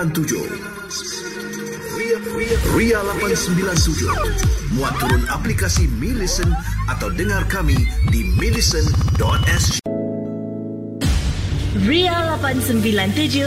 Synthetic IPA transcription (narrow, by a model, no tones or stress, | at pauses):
ant̪ud͡ʒʊ̰ | rialapansəmbilant̪ud͡ʒʊ̰muat̪ːuɾʊnaplikasimilisənʔat̪awdəŋãrkamidimilisəndɔt̪̚ɛs | ɹialapãnsə̃mbilãnt̪ud͡ʒu